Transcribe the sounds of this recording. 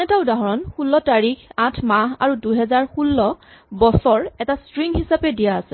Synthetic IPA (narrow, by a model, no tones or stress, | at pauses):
ɛtaʊdaɦɔɹɔnxulːɔtaɹikãtʰmaɦa̰ɹuduɦɛzaɹxulːɔ | bɔsɔɹɛtastɹiŋhisapɛdijaːsɛ